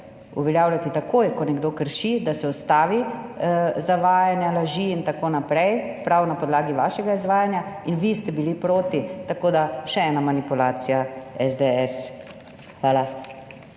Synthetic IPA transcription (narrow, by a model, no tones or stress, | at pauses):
ṵʋɛljaːwljat̪it̪akoːjkɔnɛɡd̪oːkəɾʃid̪asɛɔst̪aːʋi | zaʋaːjanjalaʒiːnt̪akoːnapɾɛjpɾawnapɔd̪laːɡiʋaːʃɛɡaizʋaːjanjainʋist̪ɛbilipɾoːt̪it̪akoːd̪aʃɛɛːnamanipulaːt̪sijaɛzd̪eɛs | xʋaːla